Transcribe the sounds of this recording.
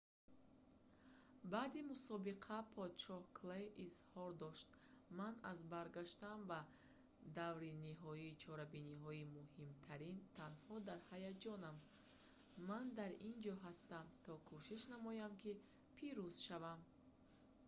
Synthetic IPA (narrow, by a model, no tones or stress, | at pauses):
baːd̪imusɔbiqʰapʰɔd̪ʃɔhkʰleʔizhɔɾd̪ɔʃt̪manazbaɾɡaʃt̪anva | d̪avɾiniɦɔiːt͡ʃʰɔɾabiniɦɔimuhimt̪ʰaɾint̪ʰanhɔd̪aɾhajad͡ʒɔnam | mand̪aɾind͡ʒɔɦast̪amt̪ʰɔkʰuʃiʃnamɔjamkʰi | pʰiɾuz̥ʃavam